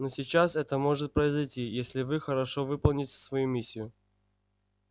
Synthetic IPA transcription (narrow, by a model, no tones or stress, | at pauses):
nosʲɪt͡ɕasɛt̪əmo̞ʐɨt̪̚pɾəɪzɐjtʲijesʲlʲɪvɨxəɾɐʂovɨpəlˠnʲɪtʲə̥svɐjumʲisʲːɪjʊ